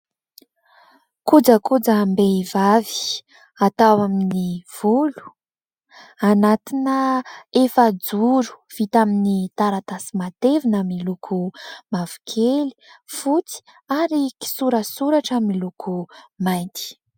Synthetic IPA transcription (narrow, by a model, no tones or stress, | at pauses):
kud͡zəkud͡zambeivavi̥ | at̪awaminiv̥ulu̥ | anat̪inəefəd͡zuɾu̥v̥it̪aminit̪aɾat̪asimat̪evinamilukʰumavu̥kʰeli̥fut͡si̥ | aɾiki̥suɾəsuɾaʈ͡ʂamilukʰumajnt̪i̥